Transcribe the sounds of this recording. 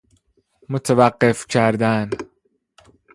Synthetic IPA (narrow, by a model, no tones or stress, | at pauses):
mot̪ʰevæɢːefcʰæɾd̪æn